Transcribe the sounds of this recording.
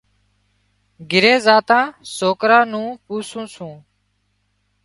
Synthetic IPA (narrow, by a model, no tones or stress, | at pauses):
ɡɪɾeːzaːt̪ãːsoːkɾãːnũːpuːsũːsũː